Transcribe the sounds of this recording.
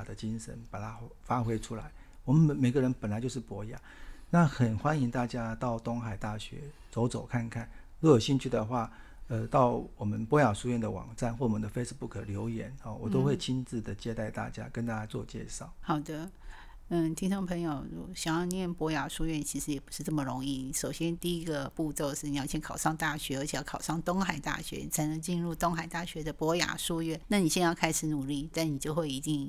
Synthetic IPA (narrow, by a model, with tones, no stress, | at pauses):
d̪ə˦t͡ɕi˦˥nʂə̰˧˦npa˨˩t̪ʰa˦˥fa˥xwe˥ɪʈ͡ʂʰu˥la˧˦ɪwɔ˨˩mə˦nmə˧˦nme˨˩ɪɡə˦˧ɻə˧˦npə˨˩nla˧ɪt͡ɕjo˥˧ʊʂɻ̩˥˩pwɔ˧˥ja˨˩˦na˥˨xə˨˩nxwa˦˥ni˧˥ŋt̪a˥˩t͡ɕja˥t̪ɑ˥˩ʊt̪ʊ˥ŋxa˨˩ɪt̪a˥˩ɕɥɛ̰˧˥˦ | t͡so˧˥ʊt͡so˨˩ʊkʰa˥˩nkʰa˥˩nɻu˥˧˨jo˨˩ʊɕi˥˧nt͡ɕʰy˥˩d̪ə˩xwa˥˩ | ə˧t̪ɑ˥˩ʊwɔ˨˩mə˦npwɔ˧˥ja˨˩ʂu˥ɥɛ˥˩nd̪ə˨wɑ̰˨˩ŋʈ͡ʂa˥˧nxwɔ˥˩wɔ˨mə˧˦nd̪ə˨fe˥ɪʂ̩˧pu˥˩kʰə˨˩ljo˧˥ʊjɛ˧˥˦nɔ˥˩wɔ˨˩t̪o˥ʊxwe˥˩ɪt͡ɕʰi˥nt͡sɹ̩˥˩d̪ə˩t͡ɕjɛ˥t̪a˥˧ɪt̪a̰˥˩t͡ɕja̰˥kə˦nt̪a˥˧˩t͡ɕja˥t͡swɔ̰˥˧t͡ɕjɛ̰˥˧ʂɑ˥˩ʊxɑ˨˩ʊd̪ə˦ | n̩˥˩t̪ʰi˥ŋʈ͡ʂo˥˩ŋpʰɤ˧˥ŋjo˨˩ʊṵ˨˥ɕɑ˨˩ŋjɑ˥˧njɛ˥˩npwɔ˧˥ja˨˩ʂu˥˧ɥɛ˥˩nt͡ɕʰi˧˥ʂɻ̩˧˥jɛ˨˩pu˧˥ʂɻ̩˥˧t͡sə˥˩mə˨˩ɻo˧˥ŋi˥˩ni˧˩ʂo˨˩ʊɕjɛ˥nt̪i˥˧i˦˥ɡə˨pu˥˧t͡so˥˧ʊʂɻ̩˥˩i˨jɑ˥˧ɕʰjɛ˥˧nŋkʰɑ˨˩ʊʂɑ˥˧ŋt̪a˥˩ɕɥɛ˧˥ə˧˥t͡ɕʰɛ˨˩jɑ˥˩kʰɑ˨˩ʊʂɑ˥˩ŋt̪o˥ŋxa˨˩ɪt̪a̰˥˩ɕɥɛ̰˧˥ni˨˩t͡sʰa˧˥ɪnə˧˥ŋt͡ɕi˥˧nɻu˥˩t̪ʊ˥ŋxa˨˩ɪt̪a˥˩ɕɥɛ˧˥d̪ə˨pwɔ˧˥ja̰˨˩ʂu˥˧ɥɛ˥˩˨nna˥˩ni˨˩ɕjɛ˥˧njɑ˥˧ʊkʰa˥ɪʂɻ̩˨˥nu˨˩li˥˩t̪a˥˩nni˨˩t͡ɕjo˥˧ʊxwe˥˩ɪi˧˥t̪i˥˩ŋ